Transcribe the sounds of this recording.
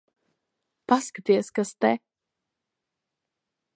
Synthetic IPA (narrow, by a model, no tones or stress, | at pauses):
paskp̪iɛskast̪ɛ